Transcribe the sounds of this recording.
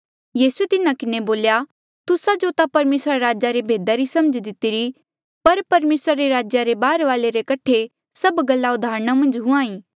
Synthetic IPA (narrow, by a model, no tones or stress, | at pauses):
jiːsuet̪ɪnakɪneboːlja | t̪ʊsad͡ʒot̪apɐɾmeːsɾaɾaːd͡ʒaɾebʱeːd̪aɾisɐməd͡ʒd̪ɪt̪iɾi | pɐɾpɐɾmeːsɾaɾeɾaːd͡ʒjaɾebaːɾʋaːleɾekɐʈʰe | sɐbɡɐlːaʊd̪ʱaːɾəɽ̃amɐ̃nd͡ʒɦʊ̃ãːĩː